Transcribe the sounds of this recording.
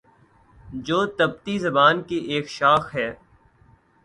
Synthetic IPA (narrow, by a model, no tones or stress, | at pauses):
d͡ʒoːt̪ɐb̚t̪izɐbaːnkiʔeːkʃaːxɦɛː